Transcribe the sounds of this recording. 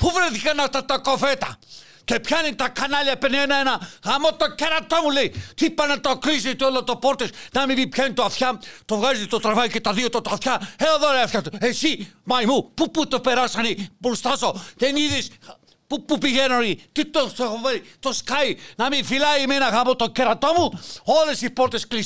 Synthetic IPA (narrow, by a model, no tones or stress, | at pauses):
puvɾeθikɐnaft̪at̪akovet̪ɐ | kepçanit̪akanaʎɐpenenɐenɐɣamot̪okeɾɐt̪omuleit̪ipɐnɐt̪oklisit̪uelot̪opoɾt̪esnɐmivipçanit̪oafçat̪ovɣazit̪ot̪ɾavaiket̪ɐðiot̪ot̪oafçaeoðoɾeafçat̪uesimajmupuput̪opeɾasɐnipulst̪asoðeniðis | pupupiʝenonit̪it̪oθoxoveɾit̪oskainɐmifilaimenɐɣamot̪okeɾat̪omuolesipoɾt̪esklis